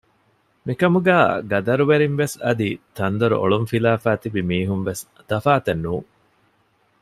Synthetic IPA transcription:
mikɐmuɡæːɡɐd̪ɐɾuʋeɾinʋesɐd̪it̪ɐnd̪ɐɾṵʔo̰ɭunfilaːfæːt̪ibimiːɦunʋes | d̪̥ɐfaːt̪ɐnːuːŋ

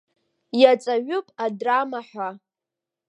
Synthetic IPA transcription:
jat͡sʼaɥʊpʼadramaħʷa

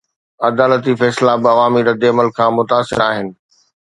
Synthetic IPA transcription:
ɐd̪aːlət̪̬ifɛːslabɪɐʋaːmiɾɐd̪eɐməlkʰãːmʊt̪aːsɪ̰ɾaːɦɪnɪ̆

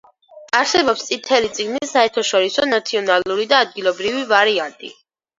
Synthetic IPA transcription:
aɾsɛbɔpst̪sʼit̪ʰɛlit̪sʼiɡnisaɛɾt̪ʰɔʃɔɾisɔnat̪sʰiɔnalˠuɾid̪aːd̪̚ɡilˠɔbɾivivaɾiant̪ʼḭ

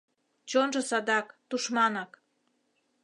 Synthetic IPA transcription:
t͡ɕonʒɤ̆sɑd̪ɑkt̪uʃmɑnɑk

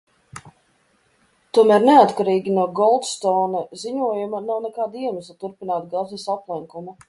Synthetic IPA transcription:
t̪uɔmæːɾneat̪kaɾiːɡʲinuɔɡɔlˠt̪st̪ɔːnaziɲuɔjumanawnɛkaːd̪iɛnusat̪uɾpinaːt̪̚ɡazɛsaplˠɛŋkumu

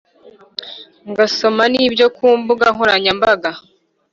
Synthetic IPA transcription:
ŋɡaso̞maniːbjo̞kuːmbuɡaɦuɾaɲambaɡa

